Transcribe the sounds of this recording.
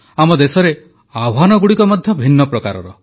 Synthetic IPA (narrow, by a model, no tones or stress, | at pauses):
amɔd̪esɔɾe | abʱɦanɔɡuɽikɔmɔd̪ʱjɔbʱinːɔpɾɔkaɾɔ̰ɾɔ